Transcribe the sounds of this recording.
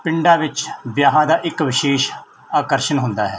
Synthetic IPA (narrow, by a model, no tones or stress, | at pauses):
pɪɳɖaːʋɪt͡ʃʋjaːɦãːd̪aːʔɪkʋɪʃeːʃ | aːkəɾʃənɦʊ̃nd̪aːɦɛː